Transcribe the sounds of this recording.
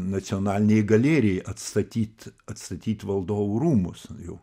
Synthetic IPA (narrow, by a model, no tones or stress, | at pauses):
nɐt͡sʲɪoːnɑːlʲɪnʲɛɪɡɐlʲeːɾʲɪɛɪʔɐt̪st̪ɐt̪ʲiːt̪ɐt̪st̪ɐt̪ʲiːt̪ʋɐlˠd̪oːʋuːɾuːmʊsjɛʊ